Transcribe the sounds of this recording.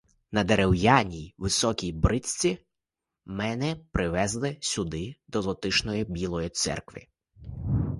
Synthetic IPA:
nɐd̪eɾewjɑnʲijʋɪsɔkʲijbɾɪsʲt͡sʲi | mɛnɛpɾɪʋɛzlˠɪsʲʊd̪ɪd̪ɔlˠɔt̪ɪʃnɔjibʲilˠɔjit̪sɛ̰rkʋɪ̰

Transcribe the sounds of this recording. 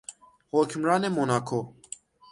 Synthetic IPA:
hokʰmɾaːnemonaːkʰo

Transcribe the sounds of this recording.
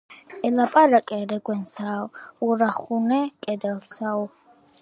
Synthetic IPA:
ɛlapʼaɾakʼɛɾɛɡʷɛnsaːwuɾaχunɛkʼɛd̪ɛlsaw

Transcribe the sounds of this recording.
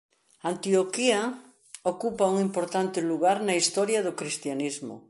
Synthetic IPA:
ant̪iokiɐ | okupauŋimpoɾt̪ant̪ɪluɣaɾnɐist̪ɔɾjɐðokɾist̪janizmʊ̰

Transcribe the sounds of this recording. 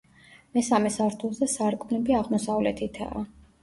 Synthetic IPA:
mɛsamɛsaɾt̪ʰulˠzɛsaɾkʼunɛbiaʁmɔsavlɛt̪ʰit̪ʰa̰ː

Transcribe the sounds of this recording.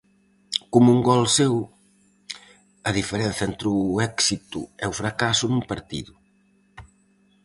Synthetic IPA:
komuŋɡɔlsew | ɐðifeɾɛnθɐɛnt̪ɾuɛksit̪ʊ̰ɛufɾakasʊnumpaɾt̪ḭðʊ

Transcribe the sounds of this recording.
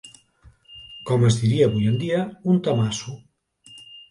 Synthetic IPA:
kɔməzðiɾiaβujend̪iaunt̪amasu

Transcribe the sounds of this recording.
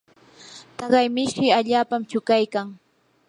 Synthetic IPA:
t̪ɑɢɑjmɪʃɪaʎaːpamt͡ʃʊkajkaŋ

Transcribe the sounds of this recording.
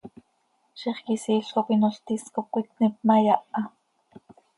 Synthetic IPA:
ʃiχkisiːɬkopinoɬt̪iskop̚kʷit̪̚nip̚majaʔa

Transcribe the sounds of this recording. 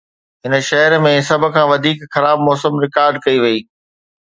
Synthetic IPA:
ɦɪn̆ʃɐɦəɾmẽsɐb̆ʱkʰãːʋɐd̪ʱiːkxɐɾaːb̚mɔːsəmɾɪkaːɾɖ̚kɐiʋɐiː

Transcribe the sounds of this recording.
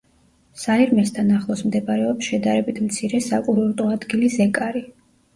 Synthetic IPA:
saiɾmɛst̪ʰanaχlˠɔsmd̪ɛbaɾɛɔpsʃɛd̪aɾɛbit̪ʰmt̪sʰiɾɛsakʼuɾɔɾt̪ʼɔad̪ɡilisɛkʼaɾi

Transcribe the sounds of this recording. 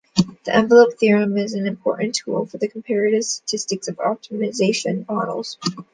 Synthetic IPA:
ðiʔɛ̃ɱvəloʊp̚θɪɹɨ̃mɪzɨ̃nɨ̃mpʰɔ̰ɹʔn̩tʰṵlˠfə˞ðɨkʰm̩pʰɛɹɨɾɨv̥stə̥tʰɪstɨksʌvɑ̰p̚təmɨzeɪʃɨ̃nɑɹnl̩ˠz̥

